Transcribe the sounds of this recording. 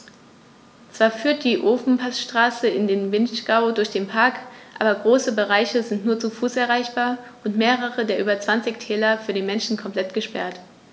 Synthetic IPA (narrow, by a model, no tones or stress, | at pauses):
t͡sv̥aːɐfyːɐt̚d̥iːʔoːfn̩pʰasʃtʁ̥aːsəɪndeːnvɪnʃɡ̥aʊdʊɐçd̥eːnpʰaɐkʔa̰ːbɐɡʁoːsəbəʁaɪçəzɪntnuːɐt͡sufuːsɛɐʁaɪçb̥aːɐʔʊntmeːʁəʁədeːɐʔyːbɐt͡sv̥ant͡sɪçtʰɛːlɐfyːɐɾiːnmɛnʃn̩kʰɔmpl̥ɛtɡ̥əʃpɛ̰ɐt